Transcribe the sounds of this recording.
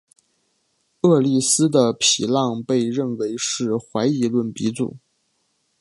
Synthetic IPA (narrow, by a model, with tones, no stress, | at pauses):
ɤ˥˧li˥˩sɹ̩˥d̪ə˨pʰi˨˩lɑ˥˧ŋpe˥˧ɪɻə˥˩nwe˧˥ɪʂɻ̩˥˩xwa˧˥ɪi˧˥lwə˥˩npi˧˥t͡sṵ˨˩˦